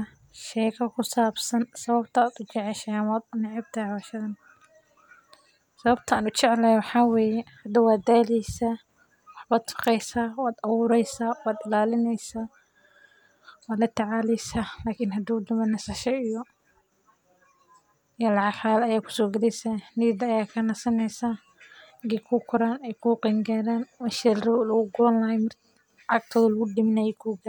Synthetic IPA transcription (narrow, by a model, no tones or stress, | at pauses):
ʃɛːkʰɐkʰʊsaːbsɐnsɐβɐbt̪ʰɐd̪ʊt͡ʃɪʕɛʃɐmaːd̪ʊnɪʕɪb̚t̪ʰɐhʕwaʃɐðɐn | sɐβɐbt̪ʰɐaːnʊt͡ʃɛʕlɛjwɑħɑːwɛːjɛhɐd̪ɐwaːd̪aːlijsɐ | wɑħbaːd̪tʊ̥qɛjsaːwaːd̪ɐwʊːɾɛjsaːwaːd̪ɪlaːlɪnɛjsaː | waːd̪lɐt̪ʰɐʕaːlɛjsalaːkʰɪnhɐd̪uʊd̪ɐmɐnɐsɐʃɐɪjɔ | jalʕɑħaːlɐjaːkʰʊ̥sɔːɡɐlɛjsanid̪ːjaːkʰɐnɐsɐnɛjsaː | ɡɛkʰuːkʰʊɾaːnɛjkʰuqiŋɡaːɾaːnwaʃɛɾrɐlɐɣʊɡʊlɐnlɐɦɛmɪr | ʕɑɡ̚t̪ʰɔːðɐlɐɣʊɖɪmɪnajɛkʰuːɡa